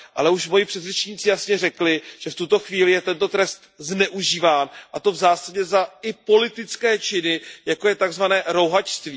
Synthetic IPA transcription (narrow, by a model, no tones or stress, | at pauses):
ʔa̰lɛuʃmo̞jipr̥ɛt̪rɛt͡ʃɲiːt͡sɪjasɲɛrɛklɪʒ̥ɛft̪ut̪o̞xviːlɪjɛt̪ɛnt̪o̞t̪ɾɛst̪znɛʔuʒiːvaːnʔat̪o̞vzaːsaɟɛzaɪpo̞lɪt̪ɪt͡skɛːt͡ʃɪnɪjako̞jɛt̪aɡzvanɛːɾo̞wɦat͡ʃst̪viː